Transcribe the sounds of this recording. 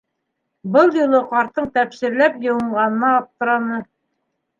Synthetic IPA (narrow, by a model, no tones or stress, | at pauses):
bɤlˠjulˠɤqɑɾt̪ɤɴt̪æpsɘ̆ɾlæpjɤ̆wɤ̆ɴɢɑnɤ̆nɑːp̚t̪ɤ̆ɾɑnɤ